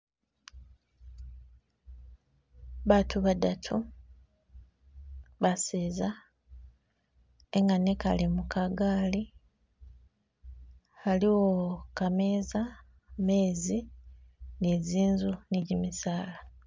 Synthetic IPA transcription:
βatʰuβadatʰu | βaseza | eŋɡaneka̰limukaɡaːli | aliwokameːza | meːzi | neːziːnzuniɟimisaːla

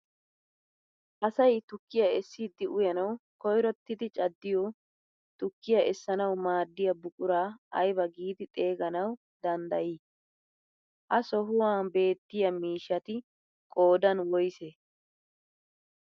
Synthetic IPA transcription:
ʔɐsɐjt̪ʊkːɪjɐɛsːiːd̪ɪʔʊjɐnɐwkɔjɾɔt̪ːɪd̪ɪt͡ʃʼɐd̪ːɪjɔ | t̪ʊkːɪjɐʔɛsːɐnɐwmaːd̪ːɪjɐbʊkʼʊɾaːɐjbɐɡiːd̪ɪt̪ʼe̞ːɡɐnɐw | d̪ɐnd̪ɐjiː | ʔɐsɔɦʊwaːbe̞ːt̪ːɪjɐmiːʃːɐt̪ɪ | kʼo̞ːd̪ɐnwɔjseː

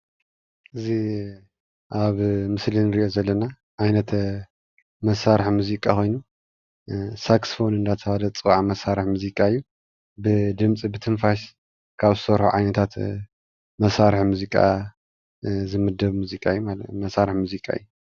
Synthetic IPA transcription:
ʔɨzi | ʔaβmɨslinɨɾiʔozɐlːɐna | ʕajnɐt̪ | mɐsaɾɨħmuzikʼakʰo̞jnu | saksfo̞nɨnd̪at̪ʰɐβad̪ɐt͡sʼɨwʕamɐsaɾɨħmuzikʼaɨjːu | bɨd̪ɨmt͡sʼibɨt̪ʰɨnfaʃ | kʰaβzɨsɐβɾħuʕajnɐt̪ʰat̪ | mɐsaɾɨħmuzikʼa̰ | zɨmɨd̪ɐβmuzikʼajːumamɐsaɾɨħmuzikʼa̰ɨ̰jːu

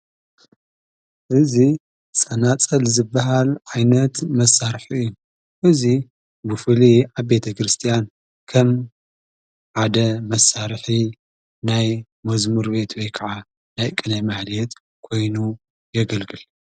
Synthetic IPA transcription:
ʔɨzi | sʼɐnat͡sʼɐlzɨbːɐɦalʕajnɐt̪mɐsːaɾħiʔɨjːu | ʔɨzi | bɨfɨliʕaβbe̞t̪ʰɐkɾɨst̪ʰijan | kʰɐm | ʕad̪ɐmɐsaɾħi | naj | mɐzmɨɾbe̞t̪ʰwɔjkʰaʕa | najkʼɨnɐjmahlɛt̪ | kʰo̞jnu | jɛɡɐlɡɨl

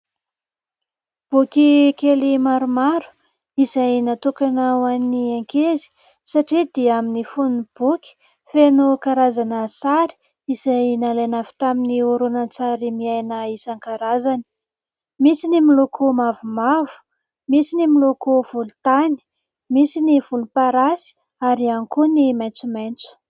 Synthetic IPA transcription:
b̥ukikelimaɾumaɾu̥ | izajnat̪ukanawanniaŋkezi̥ | saʈ͡ʂid̪iaminifunb̥ukʲi̥ | fenukaɾazanəsaɾi̥ | izajnalanavi̥t̪aminiuɾunant͡saɾimiajnaisaŋkaɾazani̥ | misinimilokʰumavumavu̥ | misinimilokuv̥ulut̪ani̥ | misiniv̥ulupaɾasi̥ | aɾiankunimajnt͡sumajnt͡su̥

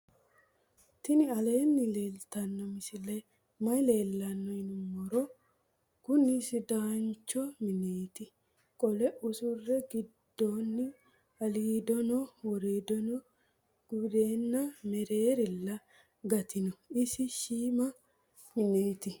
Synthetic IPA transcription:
t̪ɪnɪɐle̞ːnːɪle̞ːlt̪ɐnːɔmɪsɪlɐj | mɐjle̞ːlːɐnːɔɪnʊmɔɾɔ | kʊnːɪsɪd̪aːnt͡ʃːɔmɪneːt̪ɪ | kʼɔlɛʔʊsʊrːɛɡɪd̪̥ːoːnːɪ | ɐliːd̪ɔnɔwɔɾeːd̪ɔnɔ | ɡ̥ʊd̪e̞ːnːɐmɛɾeːɾɪlːɐ | ɡɐt̪ɪnɔɪsɪʃiːmɐ | mɪneːt̪ɪ

